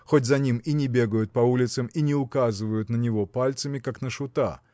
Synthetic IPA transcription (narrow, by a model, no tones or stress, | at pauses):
xotʲzɐnʲiminʲɪbʲe̞ɡəjʊt̪̚pɐulʲɪt̪səminʲɪʊkazɨvəjʊt̪nənʲɪvo̞palʲt̪səmʲɪkaknəʂʊt̪a̰